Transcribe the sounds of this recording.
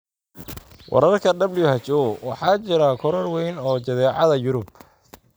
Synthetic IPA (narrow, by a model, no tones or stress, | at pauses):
wʔɑ̰ɾɐrkʰɐd̪ɐblijʊhɐt͡ʃɔwɑħɑːt͡ʃɪɾɐkʰɔɾɔrwɛjnɔːt͡ʃɐðɛːʕɑðɐjʊɾʊb̚